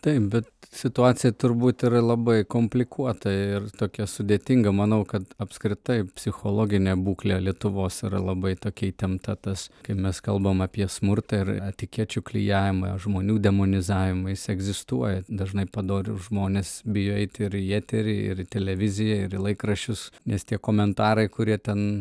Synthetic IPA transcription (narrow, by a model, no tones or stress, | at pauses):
t̪ɐɪp̚bʲɛt̪sʲɪt̪ʊɑːt͡sʲɪjɛt̪ʊɾbuːt̪ɪɾɐlˠɐbɐɪkoːmʲpʲlʲɪkuɔt̪ɐɪrt̪oːkʲɛsʊd̪ʲeːt̪ʲɪŋɡɐmɐnɐʊkɐt̪ɐpskɾʲɪt̪ɐɪpʲsʲɪxoːlˠoːɡʲɪnʲeːbuːklʲelʲiɛt̪ʊʋoːsɪɾɐ̰lˠɐbɐɪt̪oːkʲɛit̪ʲɛmt̪ɐt̪ɐskɐɪmʲɛskɐlˠbɐmɐpʲiɛsmʊrt̪ɐɪɾɐt̪ʲɪkʲiɛt͡ʃʲʊklʲɪ̰jæːʋʲɪmɐʒmoːnʲuːd̪ʲɛmoːnʲɪzɑːʋʲɪmɐjɪsɛɡzʲɪst̪uɔjɛd̪ɐʒnɐɪpɐd̪oːɾʲɪʊʒmoːnʲesbʲɪjoːɛɪt̪ʲɪɾæːt̪ʲɛɾʲɪɪ̰ɾɪt̪ʲɛlʲɛʋʲɪzʲɪjɛɪɾɪlˠɐɪkrɐʃʲʊsnʲɛst̪ʲiɛkoːmʲɛnt̪ɑːɾɐɪkʊɾʲiɛt̪ʲɛn